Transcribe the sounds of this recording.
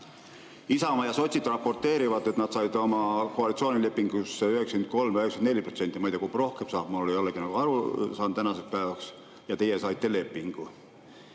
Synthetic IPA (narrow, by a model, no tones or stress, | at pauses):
isɑmɑjɑso̞t̪ʲsid̪rɑpːo̞rt̪ːˑe̞ːɾivɑd̪e̞t̪nɑd̪̥sɑjd̪o̞mɑkoɑlit̪sio̞ːnʲile̞pːiŋɡ̥usyheksɑ̥kent̪̚ko̞lmyheksene̞lʲːipɾro̞t̪se̞nt̪ʲːˑimɤjd̪̥ekubro̞hkemsɑːb̥mulːoːijo̞lːeɡ̥inɑɡ̥uɑɾusɑːnd̪t̪ænɑsekspæːvɑks | jɑt̪e̞jesɑjt̪ːele̞pːiŋɡ̥u